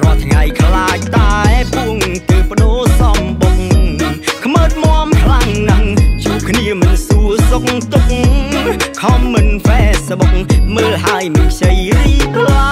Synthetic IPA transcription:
rɔət̪ʰŋajkʰlaːc̚t̪aɛɛpuəŋt̪əwpə̆ɗoːsɑmɓoŋŋkʰməːt̪̚mŏəmkʰlaŋnaŋt͡ɕuːəp̚kʰniəmɨnsuəsok̚ŋt̪uk̚ŋ | kʰɑmːɨnfɛːsɓok̚ŋməːlhaəjmɨpʰsəjriːpl

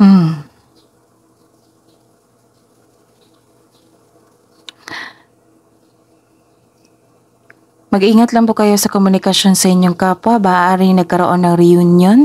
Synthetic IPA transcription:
m̩ | mɐɡʔiːŋɐt̪lɐŋpokɐjo̞sɐkomʊnɪkɐʃo̞nsɐʔɪɲjoŋkaːpwɐbaːʔaʔaːɾɪŋnɐɡ̚kɐɾoʔo̞nːɐŋɾɪjunjon

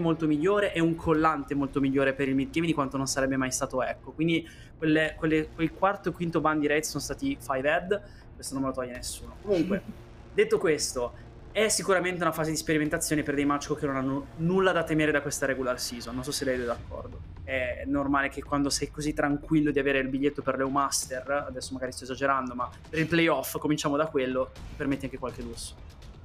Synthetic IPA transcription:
emolt̪omiʎːoːɾeʔɛuŋkʰolːant̪emolt̪omiʎːoːɾepeɾilmid̪̚ɡejmd̪ikwant̪ononsaɾɛbːemajst̪aːt̪oɛkːokwind̪i | kwelːekwelːekwelkwart̪oekwint̪oband̪d̪iɾɛjt̪sonost̪aːt̪ifajvɛd̪ | kwest̪onomːelot̪ɔʎːanesːuːnokomuŋkwe | d̪et̪ːokwest̪o | ɛsːikuɾament̪eunafaːzed̪ispeɾiment̪at̪sːjoːneperd̪ejmat͡ʃkokenonanːonulːad̪at̪ːemeːɾed̪akwest̪aɾɛːɡolaːlsizonːonsɔsːelɛjd̪ɛd̪akːɔ̰rd̪o | ɛnormaːlek̟ekwand̪osɛjkozit̪ːɾaŋkwilːod̪iaveːɾeilbiʎːet̪ːoperlɛwmast̪erad̪ɛsːomaɡaɾist̪ɔezad͡ʒeɾand̪oma | pːeɾilplejɔfːkomint͡ʃaːmod̪akwelːot̪i̥permet̪ːiaŋkekwalkelusːo̥

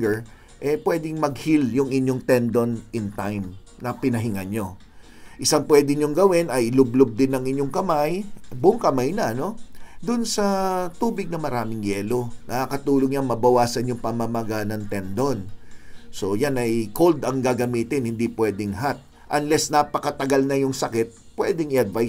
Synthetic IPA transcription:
ɡɛɹ | ʔɛpwɛd̪ɪŋmɐɡ̚hiljʊŋɪɲo̞ŋt̪ɛnd̪o̞nɪnt̪ajm | nɐpɪnɐɦɪŋɐnɲo̞ | ʔɪsaŋpwɛːd̪ɪɲoŋɡɐwɪnɐjlʊb̚lob̚d̪ɪnːɐŋɪɲjo̞ŋkɐmajbʊŋkɐmajnɐɐno̞d̪ʊnsɐt̪uːbɪɡ̚nɐmɐɾaːmɪŋjɛːlo̞nɐakɐt̪uːloŋɲɐŋmɐbɐwaːsɐnjʊŋpɐmɐmɐɡanɐŋt̪ɛnd̪onso̞janɐjkold̪ɐŋɡaɡɐmiːt̪ɪnhɪnd̪ipwɛːd̪ɪŋɦat̪̚ | ʔɐnlɛsnapɐkɐt̪ɐɡalnɐjʊŋsɐkɛt̪̚ | pwɛːd̪ɛŋɪɐd̪vaj

